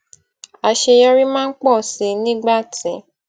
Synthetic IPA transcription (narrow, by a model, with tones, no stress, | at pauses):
a˧ʃe˧jɔ˦ɾi˦mãː˦n̩˦k͡pɔ˦˨si˨nĩ˦ɡ͡ba˦˨tĩ˨